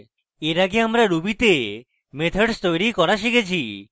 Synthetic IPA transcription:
eɾaɡeamɾaɾubit̪e | met̪ʰeɖst̪ojɾikɔɾaʃikʰet͡ɕʰi

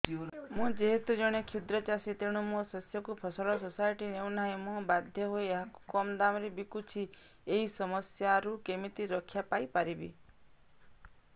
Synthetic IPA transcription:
mũd͡ʒeɦet̪ud͡ʒɔɽ̃ekʰud̪ɾɔt͡ʃasit̪eɽ̃umõsɔsjɔkupʰɔsɔɭɔsosajʈinewnaɦemũbad̪ʱjɔɦojeɦaku̥kɔmd̪amɾebikut͡ʃʰi | eɦisɔmɔsjaɾukemit̪iɾɔkʰːjapajpaɾibḭ

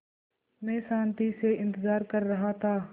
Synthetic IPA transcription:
mɛ̃ːsãːnt̪iseɪ̃nt̪ɪzaːɾkɐɾːɐɦat̪ʰaː

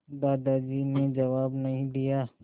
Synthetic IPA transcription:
d̪aːd̪ad͡ʒiːned͡ʒɐʋaːbnɐɦĩd̪ijaː

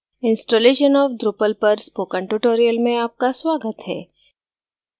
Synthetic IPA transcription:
ɪ̃nsʈoːleːʃənɔːfɖ̪ɾupəlpɐɾspoːkə̃ɳʈuʈoːɾijəlmẽaːp̚kasʋaːɡət̪ɦɛː

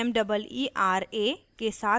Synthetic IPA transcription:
ɛmɖəbəliːʔaːɾeː | kesaː

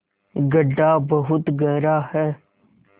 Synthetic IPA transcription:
ɡəɖːaːbəɦʊt̪ɡɛːɾaːhɛː

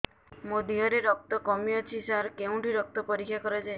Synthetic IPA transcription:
mod̪iɦɔɾeɾɔk̚t̪ɔkɔmijɔt͡ʃʰisaɾkeũʈiɾɔk̚t̪ɔpɔɾikʰːjakɔɾed͡ʒae

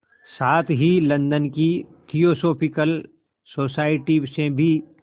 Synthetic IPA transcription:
saːt̪ʰɦilɐ̃nd̪ənkit̪ʰijoːsoːpʰɪkəl | soːsaːɪʈibsẽbʱi

